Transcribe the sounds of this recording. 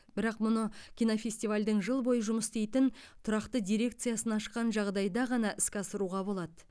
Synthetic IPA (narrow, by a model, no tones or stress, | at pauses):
bɪɾɑqmʊnəkʲʰijnofʲe̞sʲt̪ivalʲd̪əɴʒəlˠbo̞jəʒʊməst̪e̞jt̪ɪn | t̪ʰʊɾɑqt̪əd̪ʲijɾe̞k̚t̪sɨjasənɑʃəqːɑnʒɑʁd̪ɑjd̪ɑʁɑnɑʔɪskʲɑsəɾuʁɑbo̞lˠɑd̪ə